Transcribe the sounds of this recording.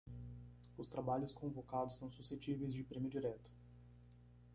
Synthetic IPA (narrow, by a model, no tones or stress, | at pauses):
ʊst̪ɾabaʎʊskõvokad̪ʊsɐ̃w̃suset͡ʃivejzd͡ʒɪpɾẽmjʊd͡ʒiɾɛt̪ʊ̥